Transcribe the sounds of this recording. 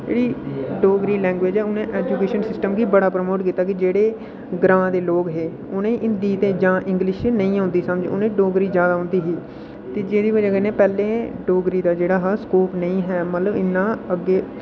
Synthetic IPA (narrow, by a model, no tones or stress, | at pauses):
d͡ʒḛːɽiːɖoːɡɾiːlɛ̃ːŋɡʋed͡ʒɦɛːʊnẽːʔɛːd͡ʒuːkeːʃənsɪsʈəmɡiːbəɽaːpɾəmoːʈkiːt̪aːkid͡ʒeːɽeː | ɡɾãːd̪eːloːkɦeː | ʊnẽːʔɪnd̪iːt̪ẽːd͡ʒãːʔɪ̃ŋɡlɪʃnəĩːãʊːnd̪iːsəmd͡ʒ̰ːʊ̰nẽːɖoːɡɾiːzjaːd̪aːɦʊ̃nd̪iːɦiː | t̪eːd͡ʒeːd̪iːbəd͡ʒaːkenẽːpɛːlẽːɖoːɡɾiːd̪aːd͡ʒeːɽaːɦskoːpnəĩːɦɛːmət̪ləbɪnːãːəɡːeː